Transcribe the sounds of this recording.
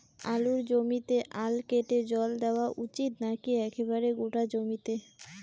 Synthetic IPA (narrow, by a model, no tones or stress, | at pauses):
aluɾd͡ʑomit̪eʔalkeʈed͡ʑɔld̪eoaʔut͡ɕit̪nakiɛkebaɾeɡoʈad͡ʑomit̪e